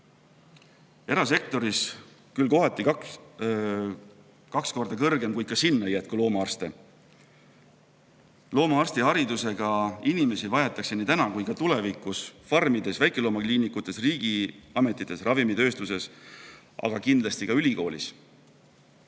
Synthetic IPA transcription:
e̞ɾɑse̞k̚t̪o̞ɾis | kylko̞ɦɑt̪ːˑik | kɑksko̞rd̪ɑkɤrɡ̥e̞mkujkɑsinːɑejæt̪̚kulo̞ːmɑɑrst̪e̞ | lo̞ːmɑɑrst̪iɦɑɾid̪use̞ɡ̥ɑinime̞sivɑjɑt̪ːˑɑkse̞niːt̪ænɑkujkɑt̪ule̞vikˑusfɑrmid̪̥e̞svæjkˑelo̞ːmɑkliːnikːˑut̪ːˑe̞sriːɡ̥iɑme̞t̪ːˑit̪ːˑe̞srʔɑvimit̪ø̞ːst̪use̞s | ʔɑ̰ɡ̥ɑkind̪lɑst̪ikɑylʲiko̞ːlḭs

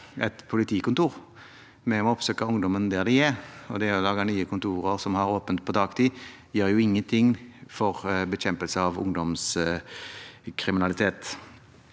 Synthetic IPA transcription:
ɛt̪pʰʊlɪt̪ʰiːkʊnt̪uːʁ | mɛɔɔpsøːkəʊŋd̪ɔmənd̪ɛːd̪ɪɛɔd̪ɛɔlɑːɡɑnyːəkʰʊnt̪ʰuːʁəʁsɔmhɑʁoːpənt̪̚pʰɔd̪ʰɑːɡt̪ʰiː | jøːɾjʊɪŋːənt̪ʰɪŋːfɔʁbɛɕɛmpəlsəɑʋʊ̰ŋd̪ɔms | kʰʁɪmɪnɑlɪt̪ʰeːt̪

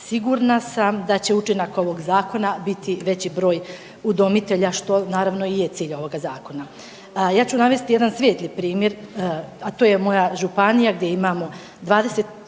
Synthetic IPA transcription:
siɡuɾnasamd̪at͡ɕe̞ut͡ʃinako̞ʋo̞ɡzaːko̞nabit̪ʰiʋe̞t͡ɕibɾo̞ːj | ud̪o̞mit̪e̞ʎaʃt̪o̞naːɾaʋno̞ije̞t̪siːʎo̞ʋo̞ɡazaːko̞na | jaːt͡ɕunaʋe̞st̪ijed̪ansʋeːt̪lˠipɾiːmje̞ɾat̪oje̞mo̞jaʒupanijaɡd̪je̞imaːmo | d̪ʋaːd̪e̞se̞t̪̚

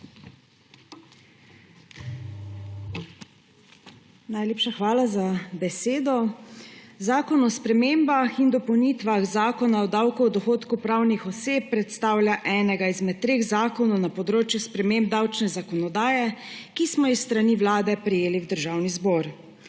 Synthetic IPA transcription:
najleːpʃaxʋaːlazabɛseːd̪ɔ | zaːkɔnɔspɾɛmeːmbaxind̪ɔpɔwniːt̪ʋaɣzaːkɔnaɔd̪awkuɔd̪ɔxoːt̪kupɾawnixɔseːpːɾɛt̪st̪aːwlʲjaʔɛːnɛɡaizmɛt̪ːɾeːɣzaːkɔnɔwnapɔd̪ɾoːt͡ʃjuspɾɛmemb̚d̪awt͡ʃnɛzakɔnɔd̪aːjɛkismɔisːt̪ɾaniʋlaːd̪ɛpɾɛjeːliwd̪əɾʒawnizbɔːɾ

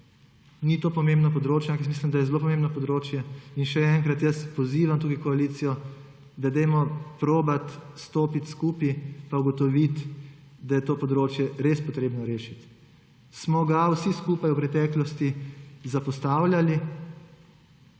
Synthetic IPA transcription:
nit̪oːpɔmẽmbnɔpɔd̪ɾoːt͡ʃjaŋksmiːslimd̪ajɛzɛloːp̬ɔmẽmbnɔpɔd̪ɾoːt͡ʃjɛinʃɛɛŋkɾat̪jəspɔziːʋamt̪uːkikɔaliːt̪sijɔ | d̪ad̪ɛjmɔpɾoːbat̪st̪oːpit̪skuːpipauɡɔt̪ɔʋit̪ | d̪ajɛt̪oːpɔd̪ɾoːt͡ʃjɛɾeːspɔt̪ɾeːbnɔɾeːʃit̪ | smɔɡawsiskuːpajupɾɛt̪ɛːklɔst̪izapɔst̪aːwljali

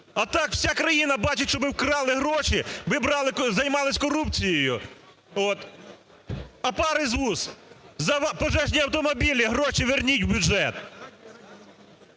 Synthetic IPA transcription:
ɐt̪ɑkw̥sʲakɾɐjinɐbɑt͡ʃɪtʲʃt͡ʃɔbɪwkɾɑlˠɪɦɾɔʃiʋɪbɾɑlˠɪkzɐjmɑlˠɪsʲkɔɾupt͡sʲijɔjʊ | ɔt̪ | ɐpɑɾɪzʋuszɐpɔʒɛʒnʲiɐwt̪ɔmɔbʲilʲiɦɾɔʃiʋernʲitʲwbʲʊdd͡ʒɛt̪

